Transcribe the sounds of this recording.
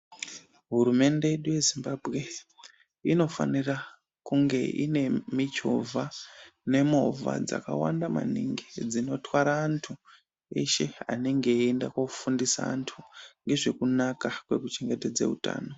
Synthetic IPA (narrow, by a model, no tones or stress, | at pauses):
ɦuɾume̞nde̞jeɗuje̞zimbabʱɣe̞ | ino̞fa̰nira | kuŋɡe̞ʔḭne̞mit͡ʃo̰vʱane̞mo̞va̰d͡za̰ka̰wa̰ndama̰nḭŋɡid͡zino̞twaɾaːntʰu | e̞̰ʃe̞a̰neŋɡe̞ːndakwofundisa̰ːntʰuŋɡe̞ʐe̞kunakakwe̞kut͡ʃe̞ŋɡe̞ted͡zḛuta̰ːno̞